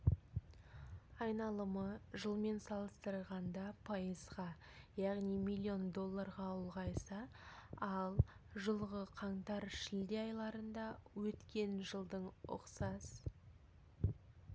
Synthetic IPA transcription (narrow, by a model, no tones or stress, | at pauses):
ɑjnɑlˠəməʒəlˠme̞nsɑlˠəst̪əɾʁɑnd̪ɑpʰɑjəzʁɑ | jɑʁnijmilʲːio̞nd̪o̞lˠːaɾʁɑʊlˠʁɑjsɑ | ɑlˠ | ʒəlˠʁəqʰɑɴt̪ɑɾʃɪld̪eɑjlˠɑɾənd̪ɑwɵt̪kʲe̞nʒəlˠd̪əɴʊ̰qsɑs